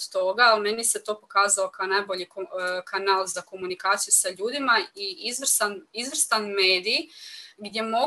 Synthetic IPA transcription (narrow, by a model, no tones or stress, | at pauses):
t̪o̞ɡaːlme̞niset̪o̞ːpo̞kaːzalo̞kaonajbo̞ʎikokanaːlˠzako̞munikaːt̪sijusaʎuːd̪imaiizʋr̩ɾ̩st̪anizʋr̩st̪anme̞ːd̪ijɡd̪ʲje̞mo̞